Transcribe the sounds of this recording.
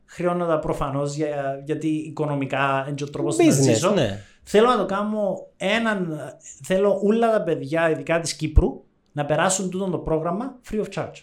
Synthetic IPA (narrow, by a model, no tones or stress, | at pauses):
xɾio̞nːot̪ɐpɾofɐno̞zʝɐʝɐt̪iːko̞nomikɐend͡ʒot̪ːɾoposissis̬one | θelo̞nɐt̪o̞kɐmoenɐnθe̞lo̞ʔulːɐt̪ɐpe̞ðʝɐiðikɐt̪iscipɾu | nɐpe̞ɾɐsːunt̪ut̪ont̪o̞pɾo̞ɣɾɐmɐfɾioft͡ʃɐɾd͡ʒ